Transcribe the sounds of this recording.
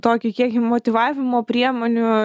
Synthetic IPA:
t̪oːkʲʊkʲiɛkʲɪmoːt̪ʲɪʋɑːʋʲɪmoːpʲɾʲiɛmoːnʲʊ

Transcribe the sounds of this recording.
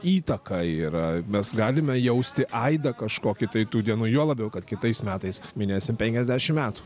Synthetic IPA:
iːt̪ɐkɐiːɾɐmʲɛsɡɑːlʲɪmʲɛjɛʊsʲt̪ʲɪʔɐɪd̪ɐkɐʃkoːkʲɪt̪ɐɪt̪uːd̪ʲiɛnuːjuɔlˠɐbʲjɛʊkɐt̪kʲɪt̪ɐɪsmʲæːt̪ɐɪsmʲɪnʲeːsʲɪmpʲɛŋʲkʲɛzʲd̪ʲæʃʲɪmmʲæːt̪u̥

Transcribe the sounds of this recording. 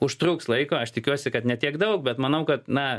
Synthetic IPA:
ʊʃt̪ɾukslˠɐɪkoːɐʃt̪ʲɪkʲuɔsʲɪkɐt̪nʲɛt̪ʲiɛkd̪ɐʊk̚bʲɛt̪mɐnɐʊkɐt̪nɐ

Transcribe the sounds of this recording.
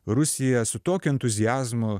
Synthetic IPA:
ɾʊsʲɪjɛsʊt̪oːkʲʊɛnt̪ʊzʲɪjæːzmʊ

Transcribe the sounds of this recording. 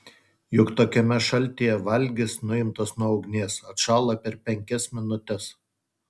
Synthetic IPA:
jʊkt̪oːkʲɛmʲɛʃɐlʲˑt̪ʲiːjɛʋɐlʲɡʲɪsnʊɪmt̪ɐsnuɔɒʊɡnʲeːsɐt̪ʃɑːlˠɐpʲɛɾpʲɛŋʲkʲɛsmʲɪnʊt̪ʲɛs

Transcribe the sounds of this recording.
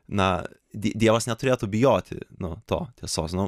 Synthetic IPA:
nɐ | d̪ʲid̪ʲiɛʋɐsnʲɛt̪ʊɾʲeːt̪ʊbʲɪjoːt̪ʲɪ̰nʊt̪o̰ːt̪ʲiɛsoːsnʊ

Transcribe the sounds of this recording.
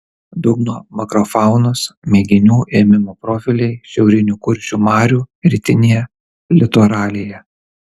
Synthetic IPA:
d̪ʊɡnoːmɐkɾɔfɑˑʊnosmʲɛːɡʲɪnʲuːʔeːmʲɪmoːpɾɔfʲɪlʲɛɪʃʲɛʊɾʲɪnʲuːkʊɾʲʃʲuːmɑːɾʲuːɾʲit̪ʲɪnʲejɛ | lʲɪt̪ɔɾɑːlʲeːjɛ

